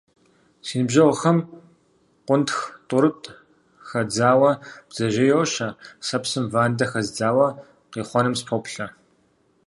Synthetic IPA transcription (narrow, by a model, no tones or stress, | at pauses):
siːnɨbʑɐʁʷʊxɐm | qʷʊntxtʼʊɾɨtʼ | xɐd͡zaːwɐb̥z̥ɐʒɐjɛwɕɐsɐpsɨmvaːndɐxɐzd͡zaːwɐ | qiːχʷɔnɨmspʰopɬɐ